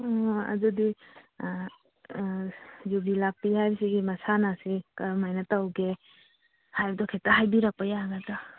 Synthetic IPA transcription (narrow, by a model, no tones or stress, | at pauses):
ɐ̰dudi | jubilak̚pihajbsiɡimɐsanasikɐɾmajnatawɡe | hajbdɔkʰetaɦajbiɾak̚pajaɡada